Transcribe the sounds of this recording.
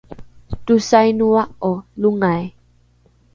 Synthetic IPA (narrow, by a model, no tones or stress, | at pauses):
tusajnuaʔɔluŋaj